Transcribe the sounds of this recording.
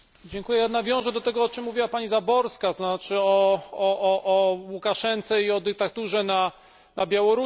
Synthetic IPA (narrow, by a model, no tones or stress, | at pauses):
d͡ʑɛŋkujɛjad̪navʲjɔ̃w̃ʐɛd̪ɔt̪ɛɡɔɔt͡ʂɘmːuvʲiwapaɲizabɔɾskaznat͡ʂɘɔɔʔːʔːwukaʂɛnt̪sɛiɔd̪ɘk̚t̪at̪uʐɛna | nabʲjawɔɾu